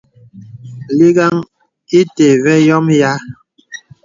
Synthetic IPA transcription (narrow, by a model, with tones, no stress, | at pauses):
li˦ɡa˦ŋ | i˦te˨vɛ˦jɔ˦mja˦